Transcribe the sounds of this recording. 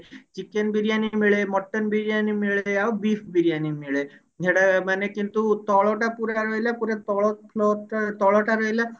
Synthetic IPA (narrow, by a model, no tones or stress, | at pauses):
t͡ʃikːenbiɾijanimiɭemɔʈːɔnbiɾijanimiɭeawbipʰbiɾijanimiɭe | eʈamanekint̪ut̪ɔɭoʈapuɾaɾoɦilapuɾet̪ɔɭopʰloʈt̪ɔɭɔʈaɾɔɦjla